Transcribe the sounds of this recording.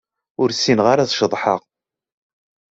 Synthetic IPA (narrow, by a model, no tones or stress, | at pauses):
ʊɾsinʁaɾaðʃəðˤħəʁ